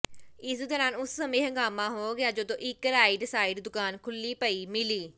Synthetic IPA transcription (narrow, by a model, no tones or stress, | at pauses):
ɪsd̪eːnaːnʊsːəmẽːɦəŋɡaːmãːɦoːɡɪjaːd͡ʒoːd̪õːʔɪkɾaːɪːɖsaːɪɖd̪ʊkaːnkʰʊliːpəiːmɪliː